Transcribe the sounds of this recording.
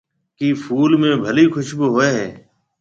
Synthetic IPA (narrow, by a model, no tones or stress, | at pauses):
kiːfʰuːlmẽːbʱəliːkʰʊʃbɪɦoːeːɦeː